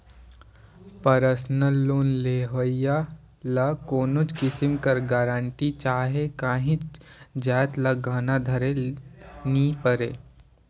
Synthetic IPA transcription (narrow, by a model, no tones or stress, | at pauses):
pɐɾəsnəlːoːnleːɦoja | lakoːnot͡ʃkɪsɪmkɐɾɡaːɾãːɳʈit͡ʃaːɦekaːɦɪ̃d͡ʒaːt̪lɐɡaːnad̪ʱɐɾe | nipəɾḛː